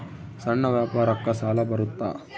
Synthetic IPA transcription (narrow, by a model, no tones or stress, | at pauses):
sɐɳːɐʋjaːpaːɾɐkːɐsaːlɐbɐɾut̪ːa̰ː